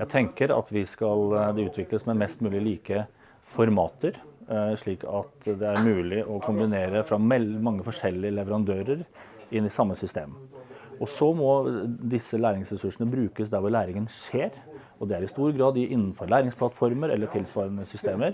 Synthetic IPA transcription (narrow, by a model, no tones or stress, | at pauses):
jæɪt̪ʰɛŋkəɾɑ̰t̪ʋɪskɑld̪ɛʉːt̪ʰʋɪkləsmɛmɛst̪mʉːlɪəliːkə | fɔɾmɑ̰ːt̪əɾʂɭiːkʰɑt̪d̪ɛæɾmʉːlɪʔɔkʰʊmbɪneːɾəfɾɑmɛlmɑŋːəfɔʂɛlɪəlɛʋəɾɑnd̪øːɾəɾ | ɪnɪsɑmːəsʏst̪ḛːməɔsɔmɔd̪ɪsːəlæːɾɪŋsɾɛsʉʂɳəbɾʉːkəsd̪æɾʋɔɭæːɾɪŋənʂeːɾ | ɔd̪ɛæɾɪst̪uːɾɡɾɑːd̪ɪʔɪnːn̩fɔɾɭæːɾɪŋsplɑt̪fɔɾməɾɛ̰lːəʈʰɪlsʋɑːɾənəsʏst̪eːməɾ